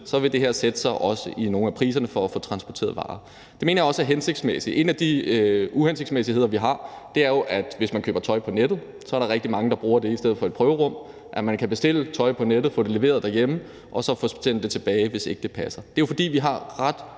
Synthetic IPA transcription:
sɒ̽ʋe̝d̥e̝ɦeɐsed̥əsɑ̈ɪʔɒ̽səʔino̝ːn̩æpʰʁiːs̬ɐnəfɒ̽æfɔ̰̽ːt͡sʰʁɑ̈nsb̥ɒt͡sʰe̝̰ɐð̩ˠʋɑ̰̈ː | d̥e̝me̝ːnɐjɒ̽səæɦense̝ɡ̥d̥smesi̥ʔe̝̰næd̥iuhense̝ɡ̥smesihe̝ð̰ˠɐʋiɦɑ̈d̥e̝æɐjo̝ʔæd̥ʋe̝smænkʰø̰ːb̥ɐt͡sʰɒ̽ɪpʰɒ̽ned̥ð̩ˠ | sɒɐɾɑ̈ʁɛɡ̥̚d̥imɑ̈ŋəd̥ɑ̈b̥ʁuːɐd̥e̝isd̥eð̞̰̩ˠfɒ̽e̝d̥̚pʰʁœːʊəʁɔ̽m̰ | ʔæmænkʰæb̥e̝sd̥e̝l̰ət͡sʰɒ̽ɪpʰɒ̽ned̥ð̩ˠfɔ̰̽ːd̥e̝le̝ʋe̝̰ːɐðˠd̥æɐjemə | ʔɒ̽sɒ̽fɔsend̥e̝t͡sʰe̝b̥ɛːɪʋe̝se̝ɡ̥əd̥e̝pʰæsɐd̥e̝jo̝fɒ̽d̥ḭːʋiɦɑ̈ʁɑd̥

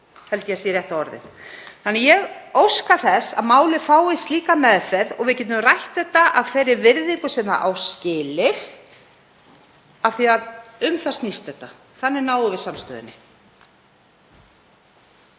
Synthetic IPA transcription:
hɛlt̪jɛsiːɾjɛht̪aɔɾðɪ̰θθanːɛjɛɣowskaθɛsa̰ðmaːwlɪ̥faːwɪst̪liːkamɛːðfɛɾðɔɣvɪðcɛːt̪ʏmrajht̪θɛht̪ːaʔaðfɛːɾɪɾvɪɾðikʏsɛma̰ʔa̰wscɪːlɪθ | aðθiaðʏmθḁst̪nist̪ɛht̪ːa | θanːɪɾnaːwʏvɪðsamst̪œ̰ðɪnːɪ

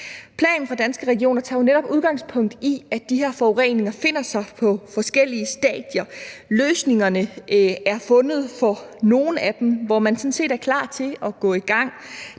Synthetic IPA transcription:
pʰlɛ̰ːnn̩fʁɑ̈d̥ænsɡ̥əʁɛɡ̥io̝̰ːnɐt͡sʰɑ̰̈oneɾɒ̽b̥uðˠɡ̥ɑ̈ŋ̰spʰɔ̽ŋ̰d̥iæ̥d̥ihɛɐ̰fɒoʁḛne̝ŋɐfe̝n̰ɐsɑ̈ɪpʰɒ̽fɒ̽sɡ̥el̰iəsd̥ɛ̰ːd̥jɐløːsne̝ŋɐnəæɐfɔ̽nð̞̩ˠfɒno̝ːn̩æd̥emʋɒmænsɔ̽n̩se̝̰ːd̥æɐkʰlɑ̰̈ːt͡sʰe̝lɒ̽ɡ̥ɔ̰̽ːiɡ̥ɑ̈ŋ̰

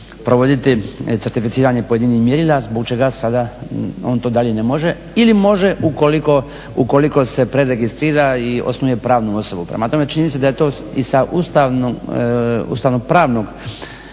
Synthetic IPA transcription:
pɾoʋo̞d̪it̪it̪seɾt̪ifit̪siːɾaɲe̞pojed̪inihmjeɾilazbo̞kt͡ʃe̞ɡasad̪ao̞ːnt̪oːd̪aʎe̞ne̞mo̞ʒe̞ | ilimo̞ʒe̞ʔukoliko̞ | uko̞liko̞se̞pɾe̞ɾe̞ɡist̪ɾiːɾaio̞̰snuuje̞pɾaːʋnuo̞so̞bupɾḛmat̪o̞me̞t͡ʃiɲimised̪aje̞t̪o̞ː | isaʔust̪aʋno | ṵːst̪aːʋnoɡ̚pɾaːʋno̞ɡ

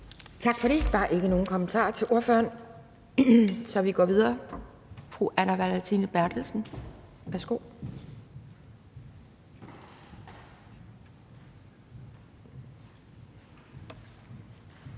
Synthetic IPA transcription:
t͡sʰɑ̈ɡ̥fɒ̽ɾed̥ɑ̈æɐʔe̝ɡ̥əno̝ːn̩kʰɒ̽mənt͡sʰɑ̰̈ːɐt͡sʰe̝lʔo̝ɐfø̰ɐn | sɒ̽ʋiɡ̥ɒ̰ːʋið̞ˠɐː | fʁuʔænæʋælæt͡sʰinəb̥æɐ̰d̥l̩sn̩ | ʋæɐsɡ̥o̝̰ʊ̰

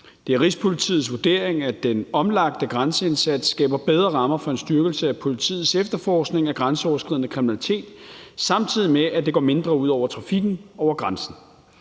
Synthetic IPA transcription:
d̥e̝æɐʁispʰo̝lit͡sʰḭːð̩ˠsʋuɐd̥e̝̰ːɐeŋæd̥enɒ̽mlɑ̈ɡ̥̚d̥əɡ̥ʁansəe̝nsæd̥sːɡ̥ɛ̰ːb̥ɐb̥eð̞ˠʁɐʁɑ̈mɐfɒ̽e̝nsd̥ɶɐɡ̥l̩səæpʰo̝lit͡sʰḭːð̩ˠsefd̥ɐfɒːsɡ̥ne̝ŋæɡ̥ʁansəɒʊɐsɡ̥ʁiðˠnəkʰʁiminælit͡sʰe̝̰ːd̥sɑ̈mt͡sʰið̞̰ˠimeʔæd̥e̝ɡɒ̰ːme̝nd̥ʁɐuð̞̰ˠɒʊ̰ɐt͡sʰʁɑ̈fiɡ̥n̩ɒʊ̰ɐɡ̥ʁɑnsn̩

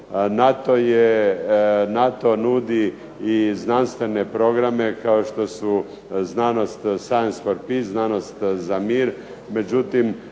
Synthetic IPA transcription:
nat̪oje | nat̪o̞nud̪iː | znanst̪ʋe̞ne̞pɾo̞ɡɾame̞kaoʃt̪o̞su | znaːno̞st̪sajnspoɾpiznaːno̞st̪zamiːɾ | me̞d͡ʒut̪im

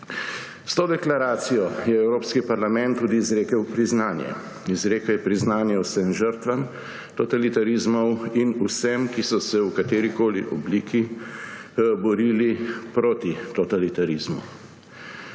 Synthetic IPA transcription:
st̪oːd̪ɛklaɾaːt̪sijɔjɛɛwɾoːpskipaɾlamɛ̃nt̪ːuːd̪iːzɾeːkəwpɾiznaːnjɛ̰ | izɾeːkɛjɛpɾiznaːnjɛwsəmʒəɾt̪ʋam | t̪ɔt̪alit̪aɾizmɔwinusɛmkisɔsɛwkat̪eːɾikoːlḭʔɔ̰bliːki | bɔɾiːlipɾoːt̪it̪ɔt̪alit̪aɾizmṵ

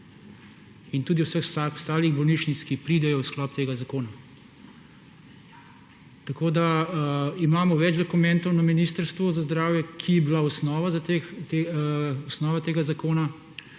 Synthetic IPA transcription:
int̪uːd̪iwsəxsast̪aːliɣbɔlniːʃt͡ʃnit̪skipɾiːd̪ɛjɔwsklɔːpt̪eːɡazakoːna | t̪ɐkoːd̪a | imaːmɔʋɛd͡ʒd̪ɔkumɛ̃nt̪ɔwnaminiːst̪əɾst̪ʋɔzazd̪ɾaːwjɛkʰiɛbilaɔsnɔːʋazat̪et̪eɔsnɔːʋat̪eːɡazakoːna

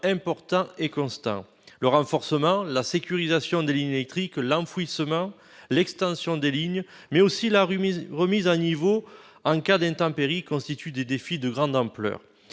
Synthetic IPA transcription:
ɛ̃pɔʁt̪ɑ̃ekɔ̃st̪ɑ̰̃ | ləʁɑ̃fɔʁsəmɑ̃lasekʲyʁizasjɔ̃d̪eliɲelɛk̚t̪χiklɑ̃fisəmɑ̃ | lɛkst̪ɑ̃sjɔ̃d̪eliɲ | mɛosilaʁʁəmizanivo | ɑ̃kad̪ɛ̃nt̪ɑ̃peʁikɔ̃st̪it̪yd̪ed̪efid̪əɡʁɑ̃d̪ɑ̃plœ̰ːʁ

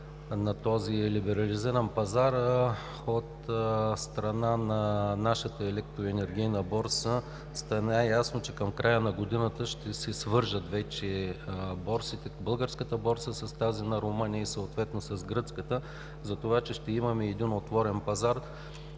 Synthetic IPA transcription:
nɐt̪ɔzilibɛɾɐliziɾɐnpɐzaɾ | ot̪st̪ɾɐnanɐnaʃət̪əɛlɛkt̪ɾoɛnɛɾɡ̟ʲijnəbɔɾsə | st̪ɐnajasnot͡ʃɛkɐmkɾʔajənɐɡod̪inət̪əʃt̪ɛsɛsvɤɾʒət̪vɛt͡ʃɛbɔɾsit̪ɛbɤlˠɡəɾskət̪əbɔɾsəsɐst̪azinɐɾomɤnijəisəot̪vɛt̪nosɐzɡɾɤt̪skət̪ə | zɐt̪ovat͡ʃɛʃt̪ɛimɐmɛːd̪inot̪vɔɾɛnpɐzaɾ

